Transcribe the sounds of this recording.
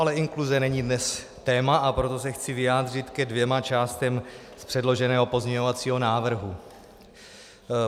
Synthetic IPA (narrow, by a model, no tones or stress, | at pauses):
alɛʔɪŋkluzɛnɛɲidnɛs | t̪ɛːmaʔapɾo̞t̪o̞sɛxt͡sɪvɪjaːd̪r̝ɪt̪kɛdvjɛmat͡ʃaːst̪ɛm | spr̥ɛdlo̞ʒɛnɛːɦo̞po̞zɲɛɲo̞vat͡siːɦo̞naːvr̩ɦu